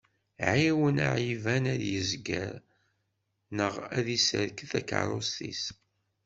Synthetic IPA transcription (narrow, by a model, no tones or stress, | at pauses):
ʕiwəna̰ʕivænæðjəzɡə̰ɾ | nəʁæðisə̰ɾkəθækə̰ɾˤost̪ḭs